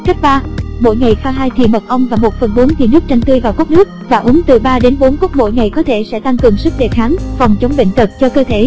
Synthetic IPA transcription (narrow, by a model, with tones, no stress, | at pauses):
ka˦˥k̚ɓaː˧mo̰˧˥˨jŋa˨˩jxaː˧ɦaː˧jt̪ʰḭ˨˩mə˨˩t̚ʔə˧wŋ͡mvaː˨˩mo˨˩t̚fə˨˩nɓo˨˦nt̪ʰi˨˩nɨ˦˥ək̚t͡ɕa˧ŋ̟t̪ɨ˧əjvaː˨˩wko˦˥t̚nɨ˦˥ək̚vaː˨˩ʔʊ˨˦ŋt̪ɨ˨˩ɓaː˧ɗe˨˦nɓo˨˦nku˦˥ət̚mo̰˧˨jŋa˨˩jkɔ˨˦t̪ʰe˧˩sɛ̰˧˥t̪a˧ŋkɨ˨˩əŋsɨ˦˥k̚ɗe˨˩xaː˨˦ŋvɔ˨˩wŋ͡mt͡ɕə˨˦wŋ͡mɓḛ˧˨ŋ̟t̪ə˨˩t̚t͡ɕɔ˧kəː˧t̪ʰe˧˩